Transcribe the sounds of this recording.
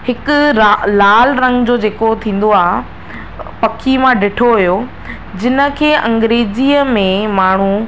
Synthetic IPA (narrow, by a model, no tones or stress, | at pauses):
hɪkʊɾalaːlɾɐ̃ŋɡd͡ʑoːd͡ʑeːkot̪ʰĩːn̆d̪oaːɦ | pɐkʰimãɖɪʈʰoɦʊjo | d͡ʑɪnə̆kʰeːʔɐ̃ŋɡɾeːd͡ʑiːəmẽmaːɳ̤u